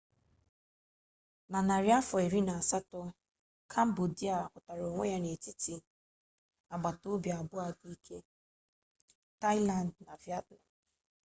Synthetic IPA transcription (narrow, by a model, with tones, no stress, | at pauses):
na˨na˨ɾja˦fɔ˨e˨ɾi˦na˨a˨sa˦tʊ˦ | kʰa˦m̩˦bu˨di˦a˨kʊ˨ta˨ɾo˨ŋʷe˦ja˦ne˨ti˦ti˨ | a˨ɡ͡ba˨to˦bja˨bʊ˦a˨ɡi˦kʰe˦ | ta˦la˨ndna˨vja˦t̚na˨m